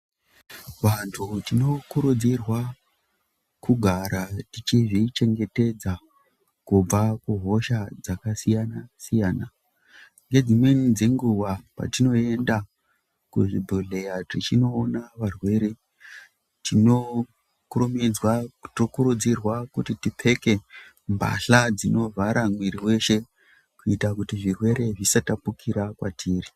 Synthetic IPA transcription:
ʋantʰutino̞kuɾud͡zirwa | kuɡʱaɾatit͡ʃiʐit͡ʃe̞ŋɡe̞te̞d͡za | kub͡vakuɦo̞ʃad͡zakasijanasijaːna | ŋɡe̞d͡zimwe̞nid͡ze̞ŋɡuwapa̰tino̞e̞nda | kuʐibʱoɮe̞jaʐit͡ʃino̞ːnaʋarwe̞ɾe̞ | tino̞ | kurumid͡zwatokuɾud͡zirwakutitipʰe̞ke̞ | mba̰ɬad͡zino̞vʱaɾamwiɾiwe̞ʃe̞ | kuitakutiʐirwe̞ɾe̞ʐisatapukʰiɾakwatʰiːri

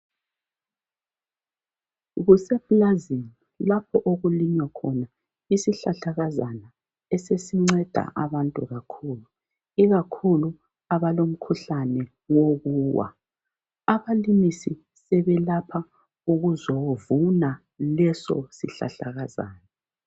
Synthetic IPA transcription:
ɣusɛb̥lazin | lapʰɔʔoɣuliɲwakʰɔna | isiɬaɬaɣazana | ɛsesiŋ͡ǀɛd̥ʱa̰ʔaβantʼuɣakʰuːlu | iɣakʰulu | aβalom̩kʰuɬanɛ | woɣuːwa̰ | aβalimisi | sɛβɛlapʰa | uɣuzovuna | lɛsɔ̰sḭɬa̰ɬa̰ɣaza̰ːna

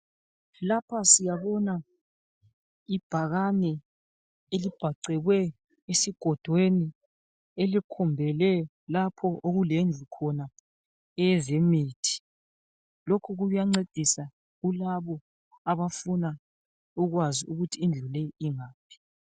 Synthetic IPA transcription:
lapʰasijaβɔna | ib̥ʱaɣanɛ | elib̥ʱaǀɛɣwɛ | esiɡ̥ʱɔd̥ʱweni | elikʰumbʱɛlɛ | lapʰɔʔoɣulend͡ɮʱukʰɔna | ɛɛzemiːtʰi̥ | lokʰuɣuujaŋ͡ǀed̥ʱisa | ɣulaβɔ | aβafuna | uɣwaziuɣutʰiːnd͡ɮʱulɛiŋaːpʰi̥

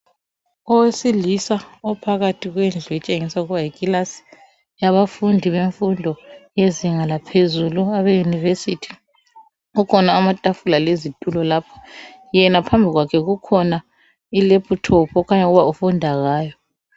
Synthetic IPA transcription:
ɔwesilisaɔpʰaɣatʰiɣwend͡ɮʱwɛt͡ʃʼeŋisauɣuβaikʼilasi̥ | jaβafundʱiβeɱfundʱɔjeziŋalapʰezuluaβejunivesitʰi̥ | ukʰɔnaːmatʼafulalezitʼulɔlaːpʰɔ̥ | jɛnapʰambʱiɣwakʰɛɣukʰɔna | ilepʰutʰɔpʰɔkʰaɲaɣuβaufundʱaɣaːjɔ

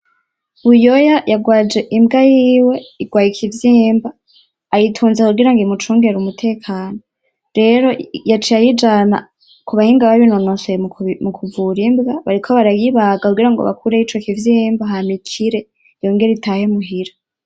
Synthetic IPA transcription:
βujojajaɡwaːd͡ʒe̞ʔimbɡajiːwe̞iɡ̥waːjikʰivjiːmbaː | jitʰuːnzakuɡiɾaŋɡimut͡ʃuːŋɡeeɾumutʰe̞ːkʰaːno | ɾe̞ɾo̞jat͡ʃijajid͡ʒana̰ | kuβahiːŋɡaβaβinonosemukʰuvuɾimbɡaβaɾikʰo̞βaɾajiβaɡakuɡiɾaŋɡoβa̰kuɾeit͡ʃokivjiːmbaɦamikʰiɾe̞ | jo̞ːŋɡe̞ɾeitaːhemuɦiɾa

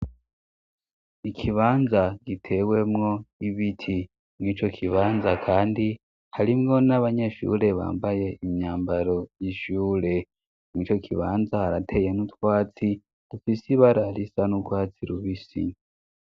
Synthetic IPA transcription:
ikʰiβaːnzaɡitʰe̞we̞mŋo̞iβitʰi | mŋiːt͡ʃo̞kʰiβaːnzakʰaːndi | haɾimŋo̞naβaɲeʃṵːɾe̞βa̰ːmbaje̞imɲaːmbaɾo̞jiʃuːɾe̞ | mŋiːt͡ʃo̞kʰiβaːnzahaɾatʰe̞jenutwaːt͡si | d̥ufisiβaɾaɾisanukwaːt͡siɾuβisḭ

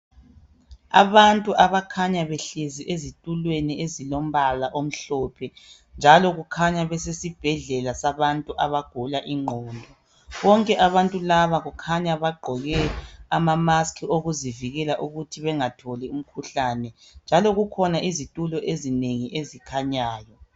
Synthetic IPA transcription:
a̰βantʼuʔaβakʰaɲaβeɬeziʔezitʼulweniezilom̩βalaʔom̩ɬɔpʰɛ | nd͡ʒʱalɔɣukʰaɲaβɛsesib̥ʱɛɮɛlasaβantʼuʔaβaɡ̥ʱulaʔiŋ͡ǃʱɔːndʱɔ | βɔŋkʼɛʔaβantʼulaβaɣukʰaɲaβaɡ͡ǃʱɔɣɛamamaskʰioɣuziviɣɛlaʔuɣutʰiβɛŋatʰɔlɛum̩kʰuɬanɛ | nd͡ʒʱalɔɣukʰɔnaʔizitʼulɔʔezineŋiʔezikʰaɲaːjɔ

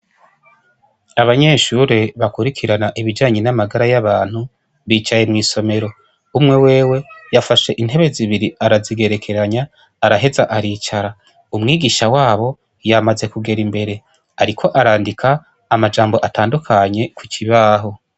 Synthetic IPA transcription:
aβaɲe̞ːʃuɾe̞βakuɾikʰiɾanaʔiβid͡ʒaːɲe̞namaɡaɾajaβaːn̥hu | βiːt͡ʃaje̞mŋiːso̞me̞ɾo̞ | umŋe̞we̞ːwe̞jafaʃe̞ʔin̥ɦe̞βe̞ziβiɾiaɾaziɡe̞ɾe̞kʰe̞ɾaɲaː | ɾaɦe̞zaʔaɾiːt͡ʃaɾa | umŋiːɡiʃawaːβo̞ | jamaze̞kuɡe̞ɾimbe̞ɾe̞ | aɾikʰo̞ʔaɾaːndikʰaː | mad͡ʒaːmboʔataːndukʰaɲe̞kuciβaːɦo̞

